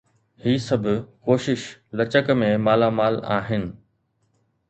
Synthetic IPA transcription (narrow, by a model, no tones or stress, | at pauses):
hiːsɐbʱkoːʃɪʃlɐt͡ɕəkmẽmaːlamaːla̰ːɦɪnɪ̆